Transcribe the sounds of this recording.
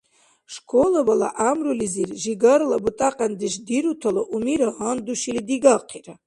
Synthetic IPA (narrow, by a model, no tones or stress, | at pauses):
ʂkʷʰolabala̰ʔamrulizirʒiɡaɾlabutʼaqʼandɨʃdiɾutʰalaʔumiɾaɦand̪uʃilidiɡaqʰira